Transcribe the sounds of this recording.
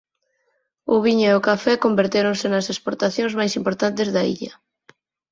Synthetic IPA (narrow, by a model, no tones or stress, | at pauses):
ʊβiɲʊeʊkafɛkombeɾt̪eɾõnsɪnɐsespoɾt̪aθjõŋzmajsimpoɾt̪ant̪ezðɐḭʎɐ